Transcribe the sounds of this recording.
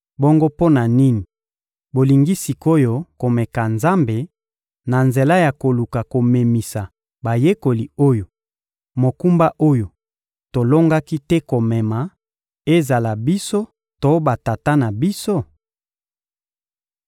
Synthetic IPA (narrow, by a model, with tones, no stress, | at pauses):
bo˦ŋɡo˦po˦na˨ni˦ni˨ | bo˨li˨ŋɡi˦si˨ko˦jo˦ko˨mɛ˨ka˨nza˦mbe˨ | na˨nze˨la˦ja˨ko˨lu˨ka˨ko˨me˨mi˨sa˨ | ba˨je˦ko˨li˨o˦jo˨ | mo˨ku˦mba˦ʔo˦jo˨ | to˨lo˦ŋɡa˦ki˦tɛ˦ko˨mɛ˨ma˨ | e˦za˨la˨bi˦so˦ | to˦ba˨ta˨ta˦na˨bi˦so˦